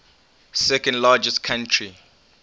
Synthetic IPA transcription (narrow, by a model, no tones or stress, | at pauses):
sɛkɔ̃ndlad͡ʒɛskʰãntʰɹi